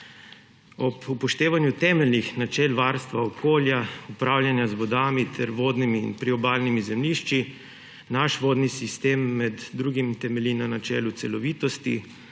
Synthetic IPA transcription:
ɔpupɔʃt̪eːʋanjut̪ɛːmɛlnixnat͡ʃɛːlʋaːɾst̪ʋaɔkʰoːljaupɾaːwljanjazʋɔd̪aːmit̪ʰɛɾʋoːd̪nimḭːnpɾiɔbaːlnimizɛmliːʃt͡ʃi | naʃʋoːd̪nisist̪emːɛd̪ːɾuːɡimt̪ɛmɛlʲinanat͡ʃɛ̰ːlut̪sɛlɔʋiːt̪ɔst̪ḭ

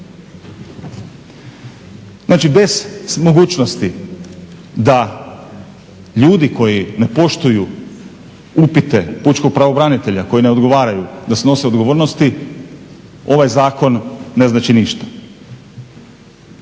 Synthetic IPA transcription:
znaːt͡ʃibe̞z̥mo̞ɡuːt͡ʃnost̪i | d̪a | ʎuːd̪iko̞jine̞po̞ʃt̪uju | upit̪e̞put͡ʃko̞ɡ̚pɾaʋo̞bɾanit̪e̞ʎako̞jine̞o̞d̪ɡo̞ʋaːɾajud̪aseno̞se̞o̞d̪ɡo̞ʋo̞ːɾno̞st̪i | o̞ʋajzaːko̞nːe̞znaːt͡ʃiniʃt̪ḁ

